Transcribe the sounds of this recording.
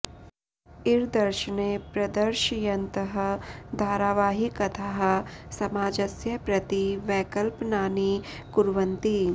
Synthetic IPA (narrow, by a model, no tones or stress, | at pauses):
ɪɾd̪ɐɾʃənepɾɐd̪əɾʃjɐnt̪əɦd̪ʱaːɾaːʋaːɦikɐt̪ʰaɦsɐmaːd͡ʒɐsjɐpɾɐt̪iʋɛːkəlpnaːni | kʊɾʋɐ̃nt̪i